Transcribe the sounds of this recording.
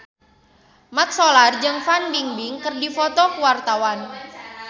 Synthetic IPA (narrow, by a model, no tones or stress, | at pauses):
mat̪̚sɔlard͡ʒɨŋfanbiŋbiŋkərdifɔt̪ɔkuwart̪awan